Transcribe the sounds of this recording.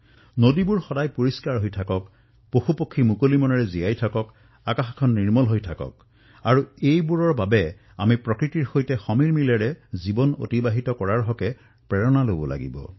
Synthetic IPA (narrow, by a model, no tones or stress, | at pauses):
nodibʊɹxɔdajpoɹiskaɹɦojtʰakɔk | poxupokʰːimukolimɔnɔɹɛzijajtʰakɔk | akaxkʰɔnːiɹmɔlɦojtʰakɔ̰k̚ | aɹuejbuɹɔɹbabɛ | a̰mipɹɔkɹitiɹxojtɛxɔmiɹmilɛɹɛzibɔno̰tibaɦitɔkɔɹaɹɦɔkɛ | pɹɛɹɔnalobɔ̰lʔa̰ɡḭbɔ̰